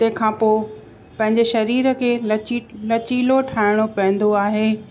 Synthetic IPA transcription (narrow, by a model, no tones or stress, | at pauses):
t̪ɐ̃ɦɪ̃kʰãːpoː | pɐ̃ɦɪ̃ɲd͡ʑeʃɐɾiːɾəkʰeːlɐt͡ɕiːloʈʰaːɪɽ̃opɐ̃ɦɪ̃n̆d̪oaːɦeː